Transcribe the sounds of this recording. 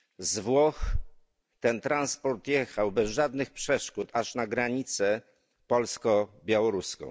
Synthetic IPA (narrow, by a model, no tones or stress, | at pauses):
zvwɔx | t̪ɛnt̪ɾanspɔɾt̪jɛxawbɛzʐad̪nɘxpʂɛʂkut̪aʂnaɡɾaɲit̪sɛ | pɔlskɔbʲjawɔɾuskɔ̰̃w̃